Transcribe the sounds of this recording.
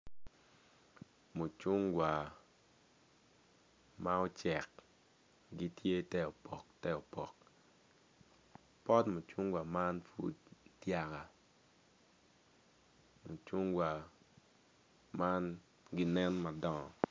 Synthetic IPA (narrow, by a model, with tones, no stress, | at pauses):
mu˨t͡ʃu˦ŋɡwa˨ | ma˦ɔ˦t͡ʃɛ˨k̚ | ɡi˦tje˦tɛ˦ɔ˨pɔ˨ktɛ˦ɔ˨pɔ˨k̚ | pɔ˦tmu˨t͡ʃu˦ŋɡwa˨ma˦nfu˦ttja˨ka˨ | mo˨t͡ʃu˦ŋɡwa˨ | ma˦n | ɡɪ˦nɛ˦nma˨dɔ˦˨ŋɔ˨